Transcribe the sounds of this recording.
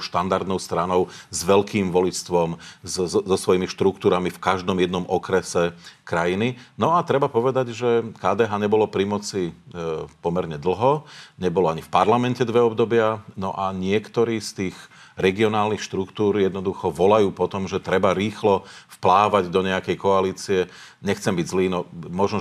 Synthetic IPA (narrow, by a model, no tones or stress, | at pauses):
ʃt̪and̪aɾd̪nɔʊst̪ɾanɔʊzʋɛlkiːmʋɔlit͡st̪ʋɔmzzɔsʋɔjimiʃt̪ɾukt̪uːɾamifkaʒd̪ɔmjɛd̪nɔmɔkɾɛsɛkɾajininɔat̪ɾɛbapɔʋɛd̪aɟʒɛkaːd̪ɛɦaːɲɛbɔlɔpɾimɔt͡si | pɔmɛɾɲɛd̪l̩ɦɔɲɛbɔlɔaɲifpaɾlamɛncɛd̪ʋɛɔbd̪ɔbɪanɔ̰ʔaɲɪɛkt̪ɔɾiːst̪iːɣ | ɾɛɡiɔnaːlnixʃt̪ɾukt̪uːɾjɛd̪nɔd̪uxɔʋɔlajuːpɔt̪ɔmʒɛt̪ɾɛbaɾiːxlɔfplaːʋaɟd̪ɔɲɛakɛjkɔaliːt͡siɛ | ɲɛxt͡sɛmbiɟzliːnɔmɔʒnɔ